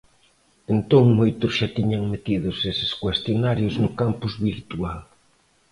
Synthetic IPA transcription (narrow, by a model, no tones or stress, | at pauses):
ent̪õŋmojt̪ʊsʃat̪iɲaŋmet̪iðʊsesɪ̥skwest̪jonaɾjʊznʊkampʊzβiɾt̪ual